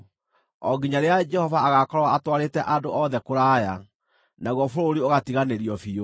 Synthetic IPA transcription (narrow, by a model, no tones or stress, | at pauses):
ɔɡiɲaɾead͡ʒɛhɔvaːɣakɔɾwaatwaɾetɛʔadoʔɔðɛkoɾaːja | naɣɔfoɾoɾioɣatiɣaneɾiɔfio